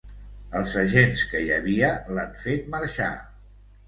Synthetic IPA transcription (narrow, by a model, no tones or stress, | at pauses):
əlˠzəʒenskəjəβiəlaɱfet̪̚məɾʃa̰